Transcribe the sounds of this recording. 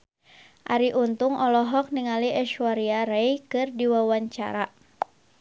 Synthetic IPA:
ʔa̰ɾiʔunt̪uŋʔɔlɔɦɔk̚niŋaliʔɛʃwaɾiaɾɛjkɨrdiwawaɲt͡ʃa̰ɾa

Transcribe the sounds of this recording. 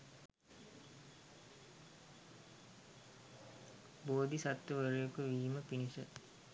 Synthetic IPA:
boːd̪isat̪ːʋəʋəɾujokəʋiːməpinisə

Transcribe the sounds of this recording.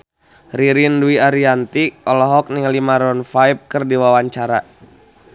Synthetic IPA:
riɾinduiaɾiant̪iʔɔlɔɦɔk̚niŋalimaɾɔnfajp̚kɨrdiwawaɲt͡ʃaɾa

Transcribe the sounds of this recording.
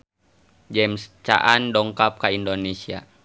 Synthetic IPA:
d͡ʒɛmst͡ʃa̰ʔandɔŋkap̚kaindonɛsia̰

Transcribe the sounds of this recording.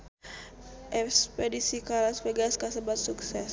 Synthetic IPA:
ʔɛspedisikalasfeɡaskasəbat̪̚suksɛs

